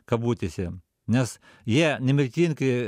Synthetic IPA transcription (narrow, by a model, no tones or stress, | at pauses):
kɐbuːt̪ʲɪsʲɛ | nʲɛs | jiɛnʲɛmʲɪɾʲt̪ʲiːnʲkɐ